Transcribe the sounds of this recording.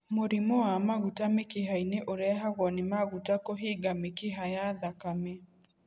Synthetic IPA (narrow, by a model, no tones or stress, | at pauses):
moɾimɔamaɣutamekiɦaineʔoɾɛɦaɣɔnimaɣutakɔɦiɡamekiɦajaðakame